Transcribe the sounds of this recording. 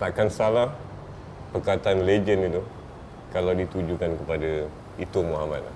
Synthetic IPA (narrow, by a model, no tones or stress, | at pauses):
t̪aʔkansalah | pərkat̪aanled͡ʒənit̪u | kalawdit̪ud͡ʒukankəpada | it̪umuɦama̰t̪̚la̰h